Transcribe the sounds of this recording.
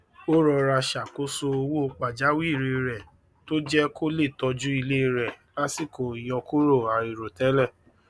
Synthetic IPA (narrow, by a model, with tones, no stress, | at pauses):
o˦ɾɔ˧ɾa˧ʃa˨ko˦so˧o˧wo˦˧k͡pa˨d͡ʒa˨˦wi˦˨ɾe˧ɾɛ˨ | to˦d͡ʒɛ˦ko˦le˦˨tɔ˧d͡ʒũ˦i˧le˦˧ɾɛ˨ | la˦si˦˨ko˨i˨j̃ɔ̃˧ku˦ɾo˦˨a˨ɾi˨ɾo˨tɛ˨˦lɛ˦˨